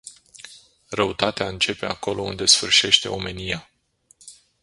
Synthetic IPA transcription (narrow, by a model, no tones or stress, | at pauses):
rəut̪at̪eaɨnt͡ʃe̞pe̞ako̞lo̞ṵnd̪e̞sfɨrʃe̞ʃt̪e̞̰o̞me̞nija